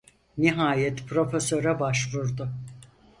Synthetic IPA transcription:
niɦaːjɛt̪pʰɾo̞fesøɾabaʃvuɾd̪ʊ

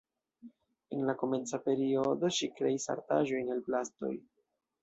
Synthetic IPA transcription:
e̞nlako̞me̞nt͡sape̞ɾio̞do̞ʃikɾe̞isa̰ɾta̰ʒo̞jnelplasto̞̰j

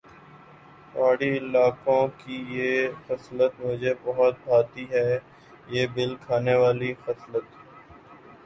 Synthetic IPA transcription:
paːɽiɪlaːkõkijeːxɐslət̪mʊd͡ʒʱebɐɦɔt̪̚bʱaːt̪iɦɛː | jeːbɪlkʰaːneʋaːlixəslət̪

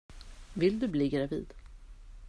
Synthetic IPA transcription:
vɪld̪ɵbliːɡɾavḭːd̪̥

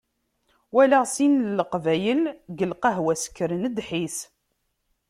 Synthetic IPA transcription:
wælæʁsinlːəqvæjəlɡəlqɑɦwæsə̥kːɾənəd̪ħis

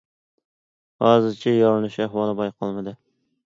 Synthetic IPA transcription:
hɑːzɨɾt͡ʃʰɛjɒɾɨnɨʃæhwɑlˠɨbɑjqʰɑlˠmɨd̪ɪ

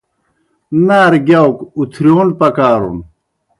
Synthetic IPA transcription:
naːɾɡjawkut̪ʰɾjoːnpɐkaːɾṵn

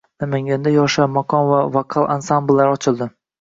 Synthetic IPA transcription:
namaŋɡʲand̪ajɒʃamakʰɒnvavaqʰalˠansamblːaɾɒt͡ʃʰɪlˠd̪ɪ

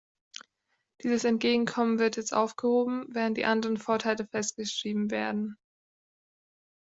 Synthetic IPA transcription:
d̥iːzəsɛntɡ̥eːɡŋ̩kʰɔmənvɪɐtjɛt͡stʔa̰ʊfɡ̥əhoːbm̩vɛːʁəntd̥ḭːʔandəʁənfoːɐtʰaɪləfɛst̚ɡ̥əʃʁ̥iːbm̩veːɐdn̩

